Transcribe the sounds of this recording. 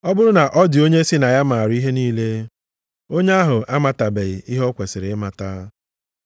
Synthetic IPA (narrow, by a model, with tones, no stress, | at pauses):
ɔ˦bʊ˦ɾʊ˦na˨ʔɔ˦dɪ˨o˦ɲe˦si˦na˨ja˦ma˨ɾʊ˦i˦ɦe˦niː˦le˦ | o˦ɲe˦a˦ɦʊ˨a˦ma˨ta˨be˨ɪ˨ʔi˦ɦɔ˦kʷe˨sɪ˨ɾɪ˨ɪ˦ma˨ta˦